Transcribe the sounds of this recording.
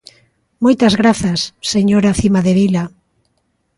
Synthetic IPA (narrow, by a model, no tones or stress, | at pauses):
mojt̪ɐzɣɾaθasːeɲoɾaθimaðeβila